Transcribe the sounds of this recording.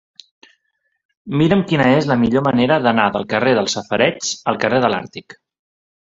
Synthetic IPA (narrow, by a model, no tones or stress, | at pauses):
miɾəmkinəezləmiʎoməneɾəðənaðəlˠkəreðəlˠsəfəɾɛt͡səlˠkəreðəla̰ɾt̪ik